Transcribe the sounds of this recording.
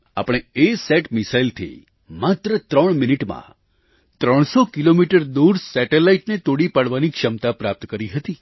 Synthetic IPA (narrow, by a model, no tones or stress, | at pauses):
a̰pəɽ̃eeseʈmisailt̪ʰḭ | mat̪ɾət̪ɾəɳ̃miniʈmã̰ | t̪ɾəɳ̃sokilomiʈəɾd̪uɾsɛʈelaiʈnet̪oɽipaɽʋanikʃəmt̪apɾap̚t̪kəɾiɦət̪i